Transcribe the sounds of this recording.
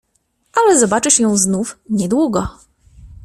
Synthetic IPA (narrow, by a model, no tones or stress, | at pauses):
ʔalɛzɔbat͡ʂɘɕjɔ̃w̃znufɲɛd̪wuɡɔ